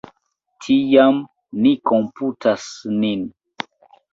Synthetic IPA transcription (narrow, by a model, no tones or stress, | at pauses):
tʰijam | nikomputʰasnin